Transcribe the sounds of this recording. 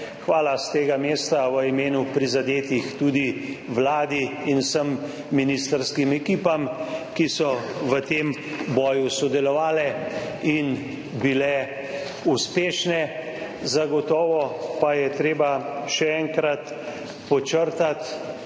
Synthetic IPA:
xʋaːlast̪eːɡameːst̪aʋəimeːnupɾizad̪eːt̪ixt̪uːd̪iʋlaːd̪iinsəmː | inist̪əɾskimɛkiːpamkisɔʋət̪em | bɔːjusɔd̪ɛlɔʋaːlɛ | in | bilɛ | uspeːʃnɛ | zaɡɔt̪ɔːʋɔpajɛt̪ɾeːbaʃɛɛŋkɾat̪ | pɔt͡ʃəɾt̪at̪

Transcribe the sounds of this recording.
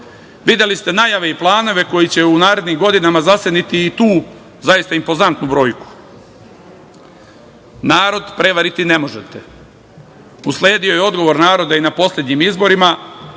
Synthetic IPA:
ʋid̪je̞list̪e̞najaʋe̞iplˠaːno̞ʋe̞ko̞jit͡ɕe̞unaːɾe̞d̪nimɡo̞d̪inamazased̪nit̪iːt̪uː | zajist̪aimpo̞zant̪nubɾo̞ːjku̥ | naːɾo̞d̪pɾe̞ʋaɾit̪ine̞mo̞ʒet̪e̞ | usle̞ːd̪io̞jeo̞d̪ɡo̞ʋo̞ɾnaːɾo̞d̪ainapo̞slʲe̞d̪ɲimizbo̞ɾima

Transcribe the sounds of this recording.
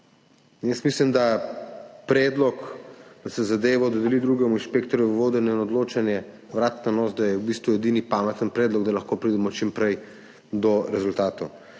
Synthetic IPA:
jəst̪mislimd̪a | pɾɛːd̪lɔkd̪asɛzad̪eːʋɔd̪ɔd̪ɛlid̪ɾuːɡɛmuinʃpekt̪ɔɾjuʋoːd̪ɛnjɛinɔd̪loːt͡ʃanjɛ | ʋɾat̪nanɔːsd̪ajɛwbist̪ʋujɛd̪inipamɛt̪ənpɾɛːd̪lɔɡd̪alɐxkoːpɾiːd̪ɛmɔt͡ʃimpɾɛj | d̪ɔɾɛzult̪aːt̪o

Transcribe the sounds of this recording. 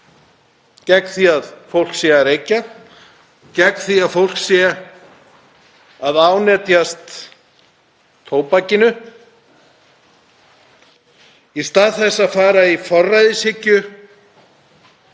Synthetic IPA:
cɛkθiaðfowl̥ksɛaɾejcːa | cɛkθiaðfowl̥ksjɛ | aðaːwnɛːt̪jast̪ | oːwpacɪnʏ | ist̪aːðθɛsːaðfaːɾaifɔrːajðɪshɪcːʏ

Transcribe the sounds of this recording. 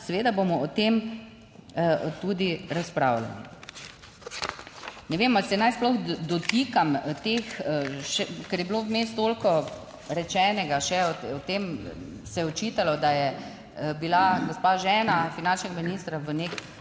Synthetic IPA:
sɛʋeːd̪abomɔːt̪em | t̪ud̪iɾaspɾa̰ːwla̰lḭ | nɛʋemalsɛnajsplɔxd̪ɔt̪ikamt̪exʃɛkɛɾjɛbilowmeːst̪t̪olkɔ | ɾɛt͡ʃɛːnɛɡaʃɛɔɔt̪em | sɛjɛɔt͡ʃit̪alɔd̪ajɛ | bilaɡɔspaʒɛːnafinant͡ʃnɛɡaminist̪ɾaʋənek

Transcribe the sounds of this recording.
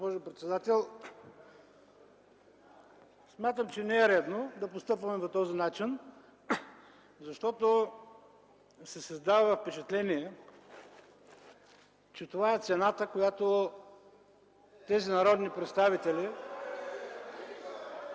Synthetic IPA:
opɔʒʊpɾɛt̪sɛd̪at̪ɛlˠ | smʲjat̪əmt͡ʃɛnɛɛɾɛd̪nod̪ɐpost̪ɤpvɐmɛpot̪ɔzinat͡ʃin | zɐʃt̪ɔt̪o | sɛsɐzd̪avɐvɐfpɛt͡ʃɐt̪lɛniɛ | t͡ʃɛt̪ovaɛt̪sɛnat̪əkojat̪o | t̪ɛzinɐɾɔd̪nipɾɛt̪st̪avit̪ɛli

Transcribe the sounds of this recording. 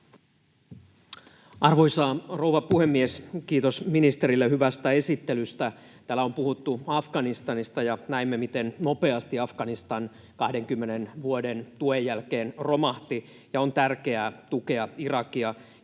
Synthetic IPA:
ɑrʋojsɑːrouʋɑpuhe̞mːieskiːt̪o̞sminist̪eɾilːehyʋæst̪æe̞sit̪ːelyst̪æ | t̪æːlːæompuhut̪ːuɑfɡ̥ɑnist̪ɑnist̪ɑjɑnæimːemit̪ennope̞ɑst̪iɑfɡ̥ɑnist̪ɑn | kɑhde̞ŋkymːenenʋuodent̪uejːælke̞ːnro̞mɑht̪i | jɑont̪ærke̞æːt̪uke̞ɑirɑkiɑ

